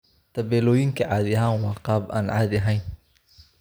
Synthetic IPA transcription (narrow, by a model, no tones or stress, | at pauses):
t̪ʰɐβɛːlɔːjɪŋkʰɐʕɑːd̪ɪɐɦaːnwɑːqɑːba̰ːnʕɑ̰ːd̪ɐɦɛjn